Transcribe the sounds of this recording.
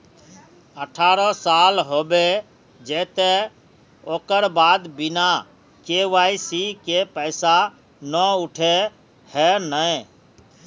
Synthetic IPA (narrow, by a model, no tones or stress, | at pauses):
əʈʰaɾəsalɦobe | d͡ʒɛt̪e | oːkəɾbad̪bina | keʋaisikepəɪsa | nɔuʈʰe | hɛnəj